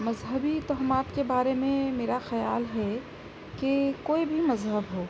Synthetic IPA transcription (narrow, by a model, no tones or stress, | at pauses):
mɐzɦəbit̪ɔɦmaːt̪kebaːɾemẽmeːɾaxɐja̰ːlɦɛ | kekoːibʱimɐzɦəbɦoː